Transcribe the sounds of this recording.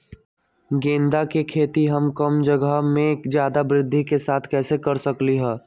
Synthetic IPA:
ɡẽːnd̪akekʰeːt̪iɦəmkəmd͡ʒəɡəɦmẽkd͡ʒjaːd̪abɾɪd̪ʱːikesaːt̪ʰkɛːsekɐɾsəkliɦɛː

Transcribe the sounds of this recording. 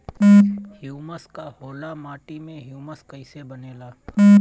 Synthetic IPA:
hjuːməskaɦoːlamaːʈimẽɦjuːməskəɪsebəneːlaː

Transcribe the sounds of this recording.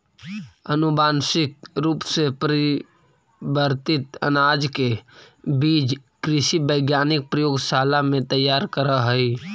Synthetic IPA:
ənʊbaːnsɪk̚ɾuːpsepəɾ | bəɾt̪ɪt̪ə̰naːd͡ʒkebiːd͡ʒkɾɪʃibəɪɡjaːnɪk̚pɾəjoːɡsaːlamẽt̪əjːaːɾkəɾəɦəi

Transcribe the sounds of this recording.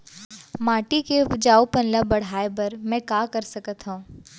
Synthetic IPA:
maːʈiked͡ʒaːupɐnləbɐɽ̤aːebɐɾmɛ̃kaːkɐɾsɐkət̪ɦũː

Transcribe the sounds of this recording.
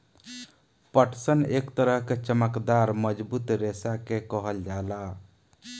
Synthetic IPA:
pəʈʰsənekt̪əɾəɦket͡ʃəməkd̪aɾməd͡ʒbut̪ɾesakekəɦəld͡ʒala

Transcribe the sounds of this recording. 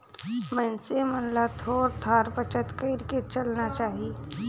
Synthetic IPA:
mɛ̃nsemənlat̪ʰoːɾt̪ʰaːɾpət͡ʃət̪kəɪɾket͡ʃɐlnat͡ʃaːɦie

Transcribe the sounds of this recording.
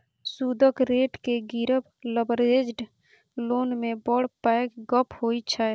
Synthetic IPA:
sud̪ʱəkɾeːʈkeɡiɾəb | ləbəɾed͡ʒɖ | loːnmẽbɔɽ̤paɪkɡəpʰɦoit͡ʃʰa

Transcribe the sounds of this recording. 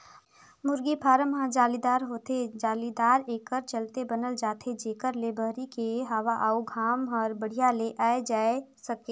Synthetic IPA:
mʊɾɡipʰaːɾəmɦãd͡ʒaːlid̪aːɾɦoːt̪ed͡ʒaːlid̪aːɾeːkəɾt͡ʃəlt̪ebɐnəld͡ʒaːt̪ʰed͡ʒeːkəɾlebəɦɾikeɦaːʋaʔaːuɡʱaːmɔːɾbəɽ̤ijaleʔaːed͡ʒaːesɐkeː

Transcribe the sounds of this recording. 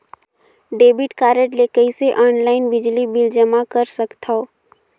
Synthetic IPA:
ɖeːbɪʈkaːɾəʈleːkəiseʔɔːnlaːɪnbɪd͡ʒlibɪld͡ʒəmakɐɾsɐkt̪ʰao

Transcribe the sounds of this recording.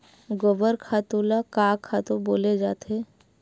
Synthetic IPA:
ɡoʋəɾkʰat̪ulakaːkʰat̪uboːled͡ʒaːt̪e

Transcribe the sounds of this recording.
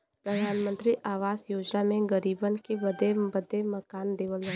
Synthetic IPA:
pɾəd̪ʱaːnmə̃nt̪ɾiʔaːʋaːsjoːd͡ʒnamẽɡəɾiːbənkebəd̪ebəd̪ʱːemɐkaːnd̪eːʋəlɐɦ

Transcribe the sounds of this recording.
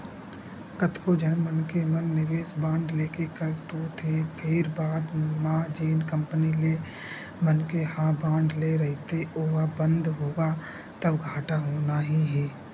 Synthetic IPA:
kət̪kod͡ʒənmənkemənːɪʋeːsbãːɳɖleːkekəɾt̪ot̪ʰepʰeːɾbaːd̪mãːd͡ʒeːnkə̃mpənile | mənkehãːbãːɳɖleɾəɦt̪eoːɦabə̃nd̪ɦoːɡa | t̪əbɡʱaːʈaɦoːnaɦiɦɛː

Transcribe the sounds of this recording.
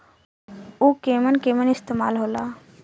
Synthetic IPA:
uːkeːmənkeːmənɪst̪eːma̰ːlɦoːlaː

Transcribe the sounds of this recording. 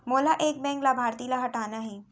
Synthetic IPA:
moːlaʔeːk̚bɛ̃ːŋklabʱaːɾt̪iːlaɦɐʈaːnaɦiː

